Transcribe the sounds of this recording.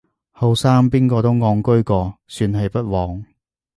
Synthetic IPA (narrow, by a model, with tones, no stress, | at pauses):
ho˨˧wsaː˥mpiː˥nkɔː˧t̪o˥wŋɔː˧ŋkɵ˥ɥkɔː˧syː˧nhɐ˨jpɐ˥t̚wɔː˨˧ŋ